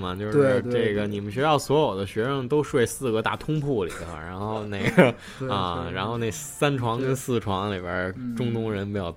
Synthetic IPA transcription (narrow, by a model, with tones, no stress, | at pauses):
mɐ˩t͡ɕjo˥˧ʊʂɻ̩˥˧ʈ͡ʂe˥˩ɡə˩ni˨˩mə˦nɕɥɛ˥j̪ɑ˥˩ʊswɔ˧˥jo˨˩ʊd̪ə˦ɕɥɛ˧˥ʂɤ˥˩ŋt̪o˥ʊʂwe˥˧ɪsɹ̩˥˩ɡə˧˥t̪a̰˥˩t̪ʰʊ˥ŋpʰu˥˩lḭ˨˩d̪ə̰˦˧˩ɻa˧˥nxo˥˧ʊne˥˩ɪɡə˩ | ɐ̰˧ɻa˧˥nxo˥˧ʊne˥˩ɪsa˥nʈ͡ʂʰwɑ˧˥ŋkə˥nsɹ̩˥˩ʈ͡ʂʰwɑ˧˥ŋli˨˩bjə̰˞˧˥ʈ͡ʂʊ˥ŋt̪ʊ˥ŋɻə˧˥npjɑ˥˩ʊ